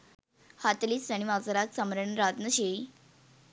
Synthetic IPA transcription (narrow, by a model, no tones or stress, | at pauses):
hat̪liːsaɽ̃imad͡zɾaksəmɾəɳɾad̪nəɕe